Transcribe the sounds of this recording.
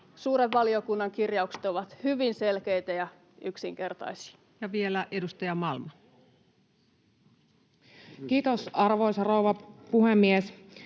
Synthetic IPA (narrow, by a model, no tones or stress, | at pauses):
suːɾetʋɑliokunːɑŋkirjɑukset̪oʋɑt̪hyʋinselkeit̪æjɑ | yksḭŋkert̪ɑ̰jsi̥ | jɑʋielæʔedust̪ɑjɑmɑlmɑ | kiːt̪osɑrʋoisɑrouwʋɑpuhemːies